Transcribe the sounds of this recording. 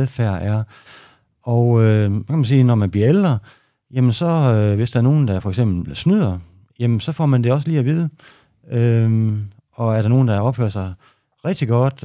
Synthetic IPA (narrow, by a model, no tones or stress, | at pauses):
ðˠfæɐ̰ʔæɐ | ɒʊøkʰæmæns̬iːnɒmænb̥liɐeld̥ʁɐ | jemənsɒ̽ʋe̝sd̥æɐno̝ːn̩d̥ɑfɒ̽eɡ̥sem̰b̥l̩l̩snyð̞̰ˠɐ | jemn̩sɒ̽fɒ̰ːmænd̥e̝ɒ̽səliːæʋiːð̞ˠə | ø | ɒ̽æɐɾɑ̈no̝ːn̩d̥ɑ̈ɒ̽b̥fø̰ɐsɑ̈ɪ | ʁɛɡ̥̚d̥iɡ̥ɒ̽d̥